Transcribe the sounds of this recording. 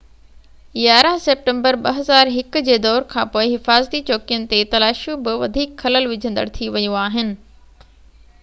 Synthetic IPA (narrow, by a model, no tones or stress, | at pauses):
jaːɾəɦseːp̚ʈə̃mbəɾɓɐɦɐzaːɾɦɪkd͡ʑeːd̪ɔːɾkʰãːpoːɪɦɪfaːzt̪it͡ɕoːkijənɪ̆t̪et̪ɐlaːʃjõbɪʋɐd̪ʱiːkxɐləlʋɪd͡ʑʱə̃nd̪ə̰ɽt̪ʰiʋɐjuaːɦɪnɪ̆